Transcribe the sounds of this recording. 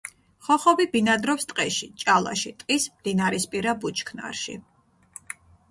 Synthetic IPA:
χɔχɔbibinad̪ɾɔpst̪ʼqʼɛʃit͡ʃʼalˠa̰ʃit̪ʼqʼismd̪inaɾispʼiɾabut͡ʃʰkʰna̰ɾʃḭ

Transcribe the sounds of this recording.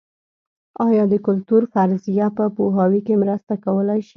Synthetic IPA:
ɑjɑd̪əkʊlt̪uɾfaɾzijapəpoɦɑwikemɾəst̪akawəlajʃi

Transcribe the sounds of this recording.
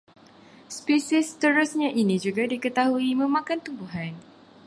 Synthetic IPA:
spisist̪əɾusɲãʔinĩd͡ʒuɡadikət̪aɦuimə̃mãkant̪umbuɦan

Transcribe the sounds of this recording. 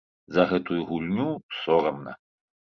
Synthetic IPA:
zɐɣɛt̪ujuɣulʲnʲusɔɾɐmnɐ̰

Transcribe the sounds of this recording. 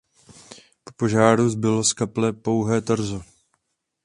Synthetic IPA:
popo̞ʒaːɾuzbɪloskaplɛpo̞wɦɛːt̪ɾ̩zo

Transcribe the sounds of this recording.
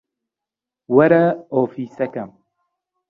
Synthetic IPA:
wɐɾɐoːfiːsɛkɐm

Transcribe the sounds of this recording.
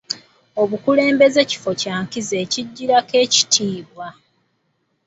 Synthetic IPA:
o̞βukule̞ːmbe̞ze̞ci̥fo̞caːŋkize̞ːciɟːiɾake̞ːci̥tʰiːβwa

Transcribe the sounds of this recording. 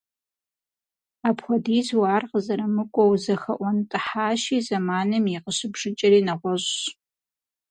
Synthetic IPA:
aːpxʷɔdiːzwaːrqəzɐɾɐmɨkʷʼɔwzɐxɐʔʷɔntʼɨħaːʃiːzɐmaːnɨmiqəʃɪbʒɨt͡ʃʼɐɾiːnɐʁʷɔʒɕ

